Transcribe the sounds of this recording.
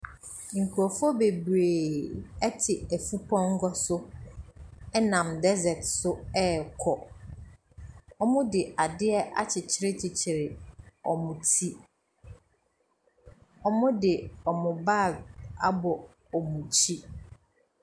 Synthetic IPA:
ŋ̩˨kʰu˨ɔ˨fɔ˦be˨bɾeː˨ɛ˦tʰɪ˨æ˨fu˦pʰɔ̃˦ŋ̩˦ɡɔ˦sʊ˦ | ɛ˦nã˨mdɛ˦zɛ˨tsʊ˦ɛ˦kʰɔ˨ | ɔ˦mʊ̃˦dɪ˨ʔa˨dɪ˦ɛ˦ʔa̰˦t͡ɕʰɪ˨t͡ɕʰɪ˦ɾɪ˦t͡ɕʰɪ˨t͡ɕʰɪ˨ɾɪ˨ɔ˨mʊ̃˨tʰi˦ | ɔ˨mʊ̃˦dɪ˨ɔ˨mʊ̃˨ba˦˨ɡa˦bɔ˨ | ɔ˨mũ˨t͡ɕʰi˦

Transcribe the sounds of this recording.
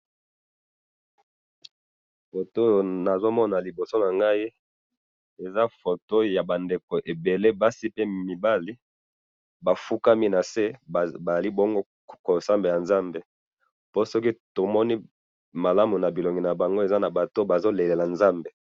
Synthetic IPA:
fo˨to˦na˨zo˦mɔ˦na˨li˨bo˨so˦na˨ŋɡa˦i˦ | e˨za˦fo˨to˦ja˨ba˨nde˨ko˨ʔe˨be˨le˦ba˦si˦pe˦mi˨ba˦li˦ | ba˨fu˦ka˦mi˦na˨se˦˨ba˨za˨li˦bo˦ŋɡo˦ | ko˨sa˦mbe˨ja˨nza˦mbe˨ | po˦sɔ˦ki˦to˨mɔ˦ni˦ | ma˨la˦mu˨na˨bi˨lɔ˨ŋɡi˨na˨ba˨ŋɡo˦e˨za˦na˨ba˨to˦ba˨zo˦le˨le˨la˨nza˦mbe˨

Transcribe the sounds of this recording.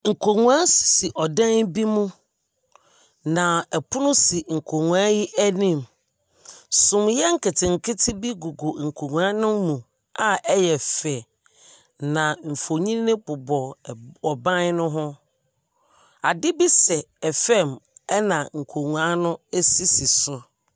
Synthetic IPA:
ŋ̩˨kʰo˨ŋũ˦a˦si̥˨si˨ʔɔ˨dɛ̃˦nbi˦mũ˦ | nã˨ɛ˨pʰʊ˦nʊ̃˦si˨ŋ̩˨kʰo˨ŋũ˨a˦jɪ˦ʔæ˦nĩ˦˨m | sʊ̃˨mjɛ˦ŋ̩˦˨kɪ˨tʰɪ˨ŋ̩˨kʰɪ˦tʰɪ˦bi˦ɡu˨ɡo˨ŋ̩˨kʰo˨ŋũ˨a˦nʊ̃˦mː˦ũ˨ | a˦ɛ˦jɛ˨fɛ˨ | nã˨ɱ̩˨fo˨ɲĩ˦nɪ̃˦pʊ˨bɔ˨ɔ˨bã˦n˦nʊ̃˦ɦʊ̃˦ | a˨dɪ˦bi˦sɛ˨ | ɛ˨fɛ˦˨mɛ˦nã˨ŋ̩˨kʰo˨ŋũ˨a˦nʊ̃˦e˦si˦si˨sʊ˦

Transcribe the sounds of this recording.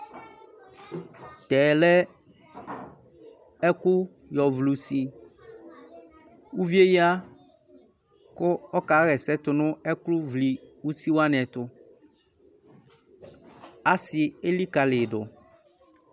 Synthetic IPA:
t̪ɛ˨lɛ˦ | ɛ˦kʊ˦ | jɔ˨vlu˨si˨ | u˦vi˦e˦ji˦a˦ | kʊ˦ɔ˦ka˨˦ɣɛ˨sɛ˦tʊ˨nʊ̃˦ɛ˦klʊ˦vli˨u˦si˦wa˦n˨ɛ˨tʊ˨ | a˦sɪ˨e˦li˦ka˨lɪ˨dʊ˨

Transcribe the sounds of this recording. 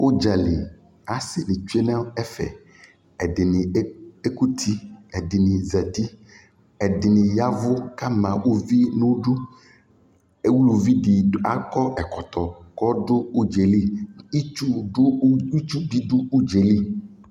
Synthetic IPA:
wo˦d͡ʒa˨lɪ˨ | a˨sɪ˨lɪ˨t͡ʃu˦e˦nɛ̃˦ɛ˦fɛ̰˨ | ɛ˨ɖɪ˨nɪ˨˦e˦ku˦t̪ʰi˦ɛ˨dɪ˨nɪ̃˨zɛ˨t̪i˦ | ɛ˨dɪ˨nɪ̃˨ja˦vʊ˦ka˦mã˨wu˦vi˦nũ˦ɖʊ˦ | wu˦lu˨vi˦di˨˦a˦kɔ˦ʔɛ˨kɔ˨t̪ɔ˨kɔ˦ɖʊ˦u˦d͡ʒe˨li˦i˦t͡ʃu˦ɖʊ˦i˦t͡ʃu˦bi˦ɖʊ˦u˦d͡ʒe˨li˦

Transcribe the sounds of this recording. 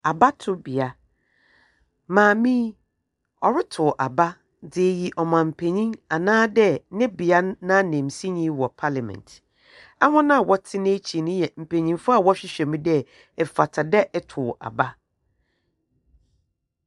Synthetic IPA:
a˨ba˦tʰʊ˦bɪ˨a˨ | mãː˨mĩ˦ | ɔ˨ɾɪ˦tʰʊ˨ʔa˨ba˦ | dɪ˨ɛ˨ji˨ʔɔ˨mã˨m̩˨pʰe˨ɲĩ˦ŋa˨nãː˦dɛ˦nɪ̃˦bɪ˨a˦nã˦nẽ˨m˨si˦ɲĩ˦wɔ˨pʰa˦la˨mɛ̰̃˨ntʰ | ɛ˦hɔ̃˦nã˦˨wɔ˦tʰɪ˦nɪ̃˦t͡ɕʰi˨nʊ̃˦jɛ˨m̩˨pʰẽ˨ɲĩ˨ŋfʊ˦a˨wɔ˦ɕᶣɪ˦ɕᶣɛ˨mĩ˦dɛ˦ | ɛ˨fa˨tʰa˨dɛ˦ʔɛ˦tʰʊ˨ʔa̰˨ba˦

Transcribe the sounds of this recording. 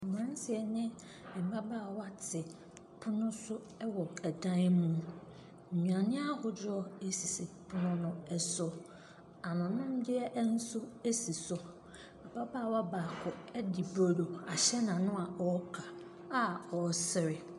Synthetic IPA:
m˨ã˦n˦sɪ˨ɛ˨nɪ̃˦˨ | m̩˨ba˦baː˦˨wa˦tʰɪ˨ | pʰʊ˦nʊ̃˦sʊ˦ | ɛ˦wɔ˨æ˨dã˦n˦mũ˦˨ | ɲũ˨a˨nɪ̃˦a˦hʊ˨d͡ʑɔ˦e˦si˨sɪ˨pʰʊ˦nʊ̃˦nʊ̃˦ɛ˦sɔ˦ | a˨nʊ̃˨nʊ̃˦m˦dɪ˦ɛ˦ʔn̩˦sʊ˦e˦si˨sɔ˨ | a˨ba˦ba˦˨wa˦baː˨kʰʊ˨ɛ˦dɪ˨bo˨do˨a˨ɕɛ˦nã˨nʊ̃˦a˨ɔ˦kʰa˨ | a˦ɔ˨sɪ˨ɾɪ˨

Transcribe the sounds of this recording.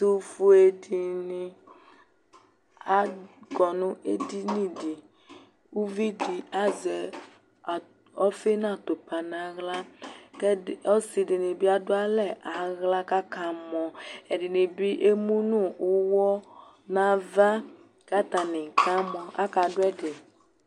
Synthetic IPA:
tu˦fu˦e˦di˨nĩ˨ | a˦ɡɔ˨nʊ̃˦e˦di˦nĩ˨di˨ | u˦vi˦di˨a˦zɛ˨ | ɔ˦fe˦nã˦˨t̪o˨pa˨nã˨ɣla˦kɛ˦˨ɔ˦si˨di˨ni˨bi˦a˦dʊ˦a˦lɛ˨ʔa˨ɣla˦ka˦ka˨mɔ̃˨ɛ˨di˨nĩ˨bi˦ʔe˦mũ˦nũ˦˨u˦wɔ˦ | nã˨va˦ | ka˦t̪a˨nɪ̃˨ka˦mɔ̃˨a˦ka˨dʊ˦ɛ˦de˨

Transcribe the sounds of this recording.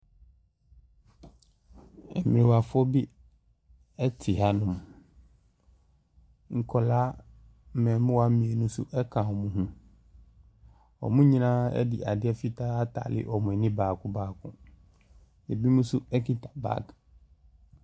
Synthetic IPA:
ɛ̰˨mɪ˨ɾɪ̃˨wa˨fʊ˦ɔ˦bɪ˦ | ɛ˦tʰɪ˨ha˦nʊ̃˨m | ŋ̩˨kʰɔ˨laː˦ | m̩˦mɛ̃˨mɪ̃˦wa˦mĩ˨e˨nʊ̃˦sʊ̰˦ʔɛ˦kʰã˨wɔ˨mũ˦ɦũ˦ | ɔ̰˨mũ˦ɲĩ˦nãː˦ɛ̰˦dɪ̰˨ʔa˨dɪ˦ɛ˦fi˦tʰa˦a˦tʰa̰ː˨lɪ̰˦ʔɔ˨mʊ̃˨ɛ˨nɪ̃˦baː˨kʰʊ̃˦baː˦˨kʰʊ̰̃˨ | e˨bi˦mũ˦sʊ˦ɛ˦kʰĩ˦tʰa˨ba̰˦˨k

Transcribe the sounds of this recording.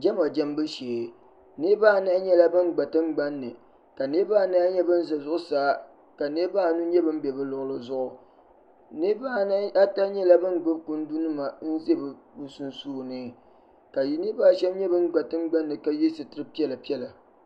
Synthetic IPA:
d͡ʒɛ˦ma˨d͡ʒɛ˦m˦bɨ˦ʃe˨ | nɨ˦baː˦˨na˦ɲɛ˦la˦bɨ˦nɡ͡ba˨tɨ˦ŋ͡mɡ͡ba˦nːɨ˨ | ka˨ne˦baː˦˨˦na˦ɲɛ˦bɨ˦n˦za˨zʊ˦ʔʊ˦saː˦ | ka˨nɨ˦baː˦˨nu˦ɲɛ˦bɨ˦m̩˦bɛ˨bɨ˦lʊ˨ʔʊ˦lɨ˦zʊ˦ʔʊ˨ | nɨ˦baː˦˨n˦a˦ta˦ɲɛ˦la˦bɨ˦nɡ͡bɨ˦b̚ku˦n˦du˦nɨ˦ma˨n̩˦ze˦bɨ˨bu˦su˦n˦suː˦˨nɨ˦ | ka˨ji˨nɨ˦baː˦˨ʃɛ˦m˦ɲɛ˦bɨ˦ŋ˦ɡ͡ba˨tɨ˦ŋ͡mɡ͡ba˦nːɨ˨ka˦ji˦sɨ˨tɨ˦ɾɨ˦pi˦ɛ˦la˨pi˦ɛ˦la˨

